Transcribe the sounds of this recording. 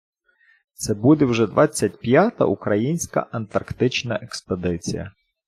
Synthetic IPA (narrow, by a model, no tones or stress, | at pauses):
t̪sɛbud̪ɛwʒɛd̪ʋɑt͡sʲːɐtʲpjat̪ɐ̰ʔukɾɐjinʲsʲkɐ̰ʔɐnt̪ɐrkt̪ɪt͡ʃnɐʔeksped̪ɪt͡sʲḭjɐ̰